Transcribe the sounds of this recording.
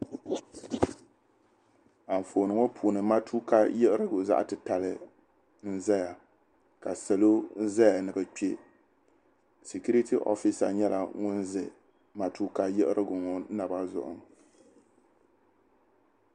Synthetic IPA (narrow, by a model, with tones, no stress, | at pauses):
a˨ɱ˨fo˨nɨ˨ŋo˦pʰuː˨nɨ˨ma˦tʰu˦ka˦jɛ˦ʔɨ˦ɾɨ˦ɡʊ˨za̰˦ʔtɨ˨ta˨lɨ˨ | n̩˦za˦ja˨ | ka˨sɛ˨lo˦n̩˦za˦ja˨nɨ˨bɨ˨k͡pi˦e˦ | si˨ku˦ɾi˦tʰi˦ʔɔ̰˦fi˦sa̰˨ɲɛ˦la̰˨ŋʊ˦n˦zɨ˨ | ma˦tu˦ka˦jɛ˦ʔɨ˦ɾʔɨ˦ɡʊ˨ŋɔ˦na˨ba˦zʊ̰˨ʔʊ̰˨ŋ